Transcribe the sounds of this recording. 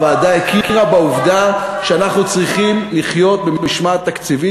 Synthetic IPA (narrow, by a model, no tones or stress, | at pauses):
vaːd̪aekiʁabauvd̪aʃeanaχnut͡sʁiχimliχjo̞t̪̚bemmiʃmat̪akt͡sivi